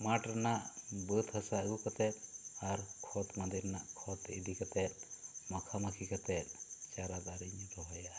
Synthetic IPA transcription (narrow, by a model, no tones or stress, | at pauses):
maʈɾanaʔbət̪hasaɡukɔt̪ɛt̪̚ˀaɾkʰɔt̪mand̪iɾnaʔkʰɔt̪ḭdikat̪ɛt̪̚mɔkʰamakʰikat̪ɛt̪̚ˀt͡ʃaɾad̪aɾiɲɾɔɦɔjaʔ